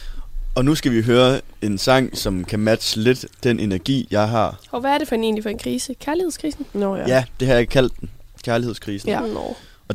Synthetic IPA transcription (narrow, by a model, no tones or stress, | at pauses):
ɒ̽nusɡ̥æʋiɦøːɐe̝nsɑ̈ŋ̰sɒ̽mkʰæmæd̥səle̝d̥ːenʔe̝nɐɡ̥ḭːjɑ̈ɪɦɑ̈ɒʋæːɐd̥e̝fɒhæne̝ːnlifɒ̽e̝nkʰʁiːsəkʰæɐliheð̞̰ˠskʰʁiːsn̩jæd̥e̝ɦɑ̈jɑeɡ̥kʰæl̰d̥ːemkʰæɐlihe̝̰skʰʁiːsn̩n̰ | ɒ̽